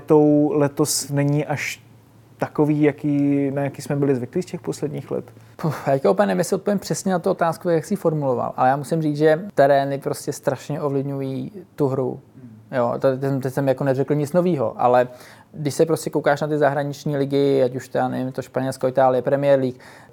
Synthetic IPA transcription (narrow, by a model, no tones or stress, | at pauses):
t̪owlɛt̪osnɛɲiʔaʃ | t̪akoviːjakiːnajakiːsmɛbɪlɪzvɪkliːscɛxposlɛd̪ɲiːxlɛ̰t̪ | pjaːckaowpɛnɛmɲɛsɪot̪̚po̞vɪmpr̝̥ɛsɲɛnat̪uo̞t̪aːskut̪akjaksɪiːfo̞ɾmulo̞va̰lʔa̰lɛjaːmusɪmriːt͡sʒɛt̪ɛɾɛːnɪpɾo̞scɛst̪ɾaʃɲɛʔo̞vlɪvɲujiːt̪uɦɾṵjo̰t̪at̪ɛmt̪ɛsɛmjakonɛrɛkl̩ɲɪt͡sno̞viːɦo̞̰ʔa̰lɛ | dɪʃsɛpɾoscɛkowkaːʃnat̪ɪzaɦɾaɲɪt͡ʃɲiːlɪɡɪacuʃt̪ɛdanɛ̰vɪmt̪oʃpaɲɛlskoɪt̪aːlɪjɛpɾɛmɪjɛɾliːk